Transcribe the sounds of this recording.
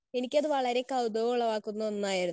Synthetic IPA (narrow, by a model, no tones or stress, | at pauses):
e̞nikʲːɐðɨʋɐɭɐɾe̞kɐwd̪ɐʋuɭːɐʋaːkːunːɐonːaːjɐɾunː